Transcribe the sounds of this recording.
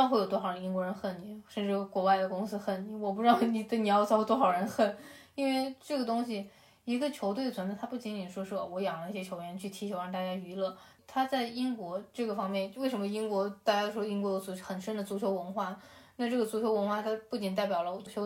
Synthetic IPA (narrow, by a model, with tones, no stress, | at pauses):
ŋxwe˥˩jt̪wɔ˥ɑ˨˩ɻə˦ni˥kwɔ˧˥ɻə˧˥nxə˥˩nni˨˩˦ʂə˥˧nʈ͡ʂɻ̩˥˩kwɔ˧˥wa˥ɪd̪ə˩kʊ˥ŋsɹ̩˥xə˥˩nni˨˩˦wɔ˨˩p̬u˧˥ʈ͡ʂ̩˥ɑ˥˧˩ni˨˩t̪ə˥˩ni˨˩jɑ˥˩ʊt͡sʰɑ˥ʊ˧t̪wɔ˥xɑ˨˩ʊɻə˧˥nxə˥˩ni˥nwe˥˧ɪʈ͡ʂɤ˥˩ɡə˩t̪ʊ˥ŋɕi˨˩ | i˧˥ɡə˧t͡ɕʰjo˧˥ʊt̪we˥˩ɪət͡sʰə˧˥n˥˧t̪ʰa˥pu˥˩t͡ɕi˧˥ni˨˩nʂwɔ˥ʂɻ̩˥˩ɔ̰˥˧˩wɔ˧˥jɑ˨˩ŋlə˦i˥˩ɕjɛ˥t͡ɕʰo˧˥ʊɥɛ˧˥nt͡ɕʰy˥˩t̪ʰi˧˥t͡ɕʰjo˧˥a˧˥nt̪a˥˩t͡ɕja˥y˧˥lɤ˥˩ | t̪ʰa˥t͡sa˥˩ɪi˥nkwɔ˧˥ʈ͡ʂɤ˥˩ɡə˩fɑ˥ŋmjɛ˥˩nwe˥˩ɪʂə˧˥mə˧i˥ŋkwɔ˧˥t̪a˥˩t͡ɕja˥o˥˩ʂwɔ˥i˥ŋkwɔ˧˥jo˧˥ʊ˧˥˩xə˨˩nʂə˥nd̪ə˨t͡su˧˥t͡ɕʰjo˧˥ʊwə˧˥nxwa˥˩na˥˧ʈ͡ʂɤ˥˩ɡə˩t͡su˧˥t͡ɕʰjo˧˥ʊwə˧˥nxwa˥˩t̪ʰa˥pu˥˩t͡ɕi˨˩nt̪̬a˥˩ɪp̬jɑ˨˩lə˦wɔ˨˩t͡su˧˥t͡ɕʰo˧˥ʊ